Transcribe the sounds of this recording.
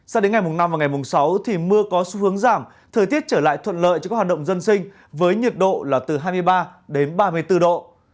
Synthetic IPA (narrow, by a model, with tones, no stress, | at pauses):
sa˧wɗe˨˦nŋ˨˩jmʊ˨˩ŋ͡mna˧mvaː˨˩wŋa˨˩jmʊ˨˩ŋ͡msa˨˦wt̪ʰi˨˩mɨ˧əkɔ˨˦su˨˦hɨ˨˦əŋzaː˧˩m | t̪ʰəː˨˩jt̪i˦˥ət̚t͡ɕəː˧˩la̰ː˧˨jt̪ʰwə̰˧˨nlə̰ː˧˨jt͡ɕɔ˧kaː˦˥kwa˨˩ɗə˧˨wŋ͡mzə˧nsï˧ŋ̟ | vəː˨˦jɲi˨˩t̚ɗo̰˧˨laː˨˩t̪ɨ˨˩ɦaː˧jm˧əjɓaː˧ɗe˨˦nɓaː˧mɨ˧əjt̪ɨ˧ɗo̰˧˨